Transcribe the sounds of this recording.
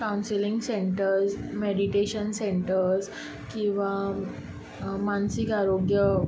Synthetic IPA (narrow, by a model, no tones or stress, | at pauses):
kawnsilĩŋɡseɳʈəɾsmeɽiʈeɕənsẽɳʈəɾs | kĩʋa | mansikaɾoɡjə